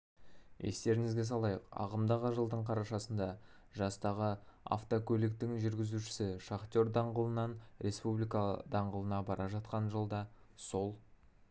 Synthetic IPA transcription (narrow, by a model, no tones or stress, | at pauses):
e̞̰st̪e̞ɾɪŋɪzɡʲes̬ɑlˠɑjəqɑ̰ʁəmd̪ɑʁəʒəlˠd̪əɴqʰɑɾɑʃɑsənd̪ɑ | ʒɑst̪ɑʁəa̰ft̪okʲʰɵlɪk̚t̪ɪŋʒʏɾɡʲɪzuʃɪ̥sɪʃaχt̪o̞ɾd̪ɑɴʁəlˠənɑnɾʔe̞spublijkɑd̪ɑɴʁəlˠənɑbɑɾʔɑʒɑt̪̚qɑnʒəlˠd̪ɑso̞lˠ